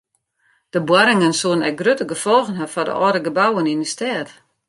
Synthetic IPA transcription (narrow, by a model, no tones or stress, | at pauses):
d̥əbwaɾɪŋənsuənɛk̚ɡrøtəɡəfɔlˠɣənɦafɔdə̰ʔɔːɾəɡəbawənindəstɛːt